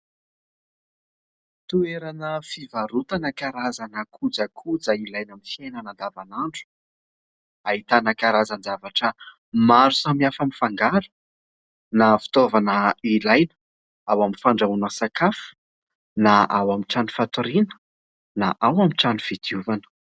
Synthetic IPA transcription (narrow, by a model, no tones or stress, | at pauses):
t̪ueɾanəfivaɾut̪anakaɾazanakʰud͡zakʰud͡zailajnamifienanand̪avanaɳɖ͡ʐu̥ | ait̪anakaɾazand͡zavaʈ͡ʂə | maɾusamiafamifaŋɡaɾu̥ | nafi̥t̪ovanəilajnə̥ | awamifaɳɖ͡ʐaunəsakafu̥ | naʔawamiʈ͡ʂanufat̪uɾinə̥ | naʔawamiʈ͡ʂanuv̥id̪iuvanə̥